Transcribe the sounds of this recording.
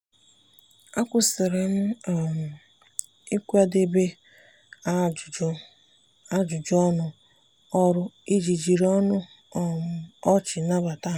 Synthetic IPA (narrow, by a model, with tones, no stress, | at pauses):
a˦kʷʊ˨sɪ˨ɾɪ˨m̩˦˨ | i˦kʷa˦de˦be˦˨˦ | a˦d͡ʒʊ˨d͡ʒɔ˦nʊ˦ | ɔ˦ɾʊ˦i˦d͡ʒi˨d͡ʒi˨ɾɔ˦nʊ˦˨ | ɔ˦t͡ʃɪ˨na˦ba˨ta˦